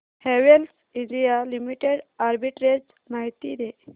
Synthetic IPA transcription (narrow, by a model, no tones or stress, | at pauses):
heʋels | idijalimiʈeɽaɾbiʈɾed͡ʒ | maɦit̪id̪e